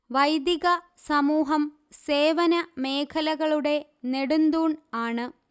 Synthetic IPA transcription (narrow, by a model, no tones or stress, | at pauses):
ʋɐjd̪jiɣɐ | sɐmuːɦɐm | se̞ːʋɐnɐme̞ːkʰɐlɐɣɐɭuɽe̞neɽund̪uːɳaːɳɨ